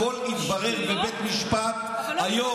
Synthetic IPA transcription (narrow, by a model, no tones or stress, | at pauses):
olit̪baʁeʁbebet̪miʃpat̪̚ | hajo